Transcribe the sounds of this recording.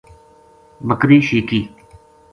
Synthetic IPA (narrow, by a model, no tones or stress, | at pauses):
bəkɾiːʃiːkiː